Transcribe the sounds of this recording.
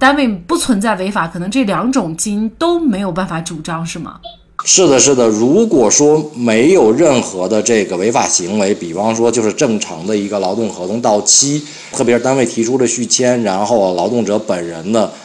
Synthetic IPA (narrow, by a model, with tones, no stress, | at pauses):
t̪a˥nwe˥˧ɪpu˥˩t͡sʰwə˧˥nt͡sa˥˩ɪwe˧˥ɪfa˨˩˥kʰɤ˨˩nɤ˧˥ŋʈ͡ʂɤ˥˩ljɑ˧˥ŋʈ͡ʂʊ˨˩ŋt͡ɕi˥ŋt̪o˥ʊme˧˥ɪjo˨˩ʊp̬a˥˩nfa˧˥ʈ͡ʂu˨˩ʈ͡ʂɑ˥ŋʂɻ̩˥˩mə̰˩ | ʂɻ̩˥˩d̪ə˩ʂɻ̩˥˩d̪ə˩ɻu˧˥kwɔ˨˩ʂwɔ˥me˧˥ɪjo˨˩ʊɻə˥˩nxɤ˧˥d̪ə˧ʈ͡ʂɤ˥˩ɡə˩we˧˥ɪfa̰˨˩ɕi˧˥ŋwe˧˥ɪpi˨˩fɑ˥ŋʂwɔ˥t͡ɕjo˥˧ʊʂɻ̩˥˧ʈ͡ʂɤ˥˩ŋʈ͡ʂʰɑ̰˧˥ŋd̪ə˧i˧˥ɡə˧lɑ˧˥ʊt̪ʊ˥˩ŋxɤ˧˥t̪ʰʊ˧˥ŋt̪ɑ˥˩ʊt͡ɕʰi˥ | t̪ʰɤ˥˩jɛ˧˥ɻ̩˥˧t̪a˥nwe˥˩ɪt̪ʰi˧˥ʈ͡ʂʰu˥lə˨ɕy˥˩t͡ɕʰjɛ˥nɻa˧˥nxo˥˩ʊlɑ˧˥ʊt̪ʊ˥˩ŋʈ͡ʂɤ˧˥pə˨˩nɻə˧˥nd̪ə˧